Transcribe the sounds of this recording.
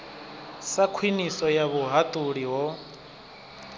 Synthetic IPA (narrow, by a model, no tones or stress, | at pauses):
sakʰwinisɔjaβuɦat̪ʼuɺiɦɔ